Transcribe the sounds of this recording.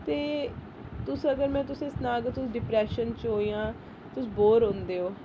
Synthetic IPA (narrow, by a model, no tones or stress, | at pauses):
t̪eː | t̪ʊsəɡəɾmɛ̃ːt̪ʊsẽːsnaːɡət̪ʊsɖɪpɾɛːʃənt͡ʃɦoːiːãː | t̪ʊsboːɾɦõːnd̪eːɦoː